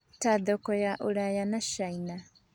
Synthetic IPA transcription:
taðɔkɔjaʔoɾajanaʃajna

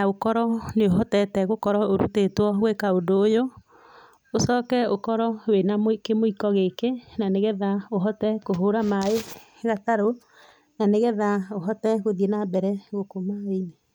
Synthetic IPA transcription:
naokɔɾɔneoɦɔtɛtɛɣokɔɾɔoɾṵtetwɔɣwekaodoːjo | osɔːkɛokɔɾɔwenamokemoikɔɣekenaneɣɛðaoɦɔtɛkoɦoɾamae | ɣataɾo | naneɣɛðaoɦɔtɛɣoðienabɛɾɛɣokomaene

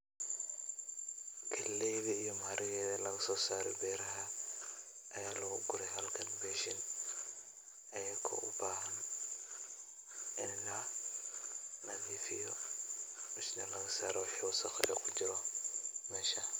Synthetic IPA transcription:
kʰɐlːɛjðɐijɔmaːɾʔɪjɛðɐlɐɣɐsɔːsaːɾɛ̰bɛːɾɐɦɐ | ʔɐjaːlɔʊɡʊɾɛjɦɐlkʰɐnbɛʃɪn | ɐjɐkʰɐ̰ʔʊbaːɦɐn | ɪnlɐ | nɐðiːfɪjɔ | mɪʃnɛlɐɣɐsa̰ːɾɔwħɔsɐqɛ̰kʰʊd͡ʒɪɾɔmɛːʃɐ

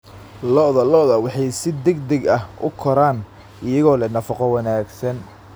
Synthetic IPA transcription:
lɔʔðɐlɔðɐwɑħɑjsɪd̪ɛɡd̪ɛɡɐhʔʊ̰kʰɔɾaːn | ɪjɐɣɔːlɛnɐfɑqɔwɑnaːɡsɐn

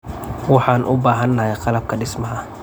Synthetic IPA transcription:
wɑħɑːnʔʊbaːɦɐnːɐhɛjqɑlɐb̚kʰɐɖɪsmɐɦɐ

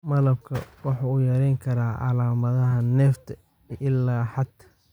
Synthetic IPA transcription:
mɐlɐb̚kʰɐ̰wɑħɑʊjɛːɾɛjŋkʰɐɾaːʔɑ̰laːmɐðɐɦɐnɛːft̪ʰɐ | ʔɪlːaːħɑd̪ʰɐ̥

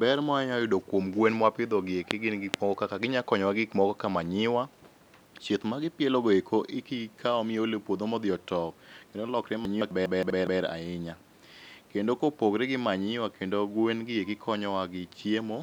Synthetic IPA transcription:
bɛɾmɔaɲajʊdokwomɡwenmwapɪd̪ɔɡɪekɪɡɪnɡɪkmɔɡɔkakaɡɪɲakɔɲɔwaɡɪkmɔɡɔkamaɲɪwa | t͡ʃjet̪maɡɪpjeloɡoekʰoʔɪkikʰaɔmɪolepwod̪omɔd̪ɪɔtɔkkendolɔkɾemaɲɪabɛbɛbbɛɾbɛɾa̰ɪɲa | kendokopoɡɾeɡɪmaɲɪwakʰendoɡwenɡɪjekɪkʰɔɲɔwaɡɪt͡ʃjemo

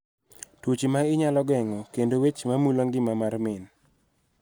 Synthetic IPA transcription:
twot͡ʃimaɪɲalɔɡɛŋɔkendowet͡ʃmamuloŋɡɪmamarmɪn

